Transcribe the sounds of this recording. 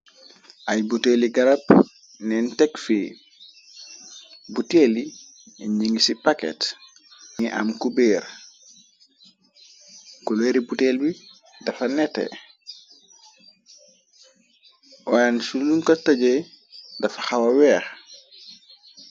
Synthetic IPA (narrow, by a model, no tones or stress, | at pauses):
ʔajbuteliɡɐɾap | nɛntɛkfi | buteli | ɲiŋɡisipakɛ̰t | ŋiʔa̰mkubeːɾ | kuleːɾibutelbi | dɐfɐnɛtːɛ̰ | ʔɔansuluŋkɐtɐɟe | dɐfaxawɐwɛːx